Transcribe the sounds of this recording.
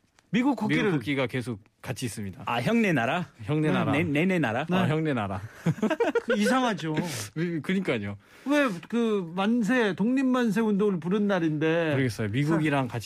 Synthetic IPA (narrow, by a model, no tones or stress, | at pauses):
miɡuk͈ʰːokk͈ːiɾɯɭok͈iɡake̞sʰok̚ | k͈at͡ɕʰiːs͈ɯmɲidaaçjʌŋne̞naɾaçjʌŋnenaɾane̞ne̞naɾaneçjʌŋne̞naɾa | is̬ʰaŋɦad͡ʑokɯɲik͈aɲo | we̞kɯmans̬ʰe̞toŋɲimːans̬ʰe̞undoɡɯɭp̬uɾɯnːaɾinde̞ɯɾʌɡes͈ʌjomiɡuɡiɾaŋkat͡ɕ